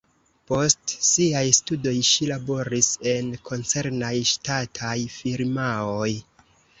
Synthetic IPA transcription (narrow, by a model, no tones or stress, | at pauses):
po̞stsiajstudo̞jʃilabo̞ɾise̞nkʰo̞nt͡se̞ɾnajʃtatʰajfiɾmaoj